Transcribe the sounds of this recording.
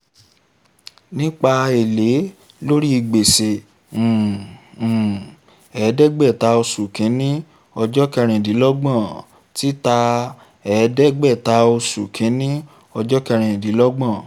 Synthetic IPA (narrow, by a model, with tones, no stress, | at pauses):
nĩ˦k͡pa˧e˨le˨˦ | lo˦ɾi˦i˧˨ɡ͡be˨sẽ˨ | ɛ˨˦dɛ˦ɡ͡bɛ˦˨ta˧o˧su˨kʰĩ˨˦nĩ˦ | ɔ˧d͡ʒɔ˦kɛ˧ɾ̃ĩ˨di˨˦lɔ˦ɡ͡bã˦˨ | ti˦ta˧ | ɛ˨˦dɛ˦ɡ͡bɛ˦˨ta˧o˧su˨kʰĩ˨˦nĩ˦ | ɔ˧d͡ʒɔ˦kɛ˧ɾ̃ĩ˨di˨˦lɔ˦ɡ͡bã˦˨